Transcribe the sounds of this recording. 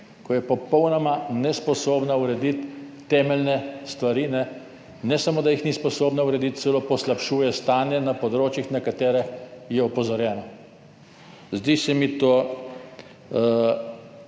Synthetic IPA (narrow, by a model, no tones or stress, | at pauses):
kɔjɛpɔpɔwnɔmanɛspɔsoːbnauɾɛd̪it̪ː | ɛːmɛlnɛst̪ʋaɾinɛ | nɛsamoːd̪ajixnispɔsoːbnauɾɛd̪it̪̚t̪sɛloːpɔslapʃuːjɛst̪aːnjɛnapɔd̪ɾoːt͡ʃjixnakat̪ɛːɾɛxjɛɔpɔzɔɾjɛːnɔ | zd̪isɛmit̪oː